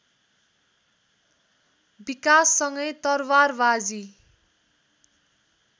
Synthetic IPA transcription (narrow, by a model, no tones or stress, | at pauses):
bikasːʌŋɡʌjt̪ʌrwarbad͡zi